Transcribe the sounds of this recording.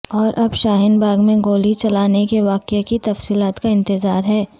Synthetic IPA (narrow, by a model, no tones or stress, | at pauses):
ɔːɾʔɐbʃaːɦɪnbʱaːɡmẽɡoːlit͡ʃɐlaːnekeʋaːqekit̪ɐfsiːlaːt̪kaɪ̃nt̪ɪzaːɾɦɛː